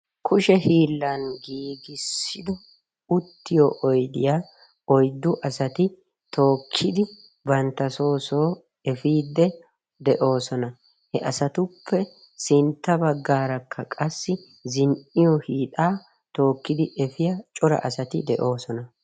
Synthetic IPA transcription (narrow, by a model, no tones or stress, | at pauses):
kʰʊʃɛhiːlːɐnɡiːɡɪsːɪd̪ɔ | ʊt̪ːɪjoːʔɔjd̪ɪjaː | ɔjd̪ːʊʔɐsɐt̪ɪ | t̪ʰo̞ːkʰːɪd̪ɪ | bɐnt̪ːɐso̞ːsoː | ɛfiːd̪ːɛ | d̪ɛʔo̞ːsɔnɐ | hɛʔɐsɐt̪ʊpʰːɛ | sɪnt̪ːɐbɐɡːaːɾɐkʰːɐkʼɐsːɪ | zɪnɪjɔhiːt̪aː | t̪o̞ːkːɪd̪ɪʔɛfɪjat͡ʃʼɔɾɐ̰ʔɐsɐt̪ɪd̪ɛʔo̞ːsɔnɐ